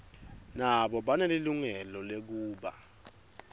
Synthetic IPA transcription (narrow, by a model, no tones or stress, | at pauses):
naɓɔɓaneliluŋɛlɔlek̬uːɓa̰